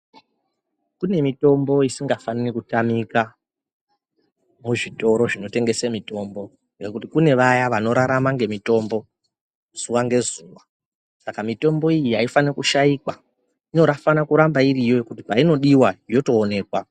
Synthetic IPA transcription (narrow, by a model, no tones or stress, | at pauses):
kune̞mito̞mbo̞isiŋɡafanirikutamika | muʐito̞ɾo̞ʐino̞te̞ŋɡe̞semito̞mbo̞ | ŋɡe̞kut̬ikune̞ʋajaʋano̞ɾaɾamaŋɡe̞mito̞mbo̞ | z̥uwaŋɡe̞zuːwa | sakamito̞mbo̞ijiɦaifanirakuʃaikwa | ino̞ɾafanakuɾambairijo̞jokutipaino̞ɗiwajo̞to̞ːne̞ːkwa